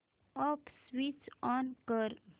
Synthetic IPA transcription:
ɔpswit͡ʃɔnkəɾ

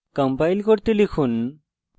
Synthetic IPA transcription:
kɔmpajlkoɾt̪elikʰun

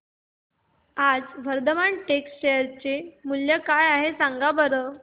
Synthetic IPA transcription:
ad͡zʋəɾd̪əmaɳʈeksʈɕejəɾt͡semuljəkajaɦesaŋɡabəɾə

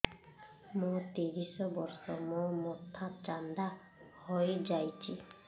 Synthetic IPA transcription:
mõt̪eɾisɔbɔɾsɔmomɔt̪ʰat͡ʃand̪a | hojd͡ʒajt͡ʃʰi

